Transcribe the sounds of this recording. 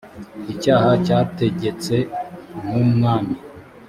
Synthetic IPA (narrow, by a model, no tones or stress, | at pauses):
icaːhacaːte̞ɟe̞t͡se̞numŋaːmi